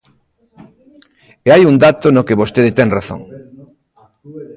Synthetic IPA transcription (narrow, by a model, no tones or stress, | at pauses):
eajund̪at̪onokeβost̪eðet̪ɛŋraθõ̰ŋ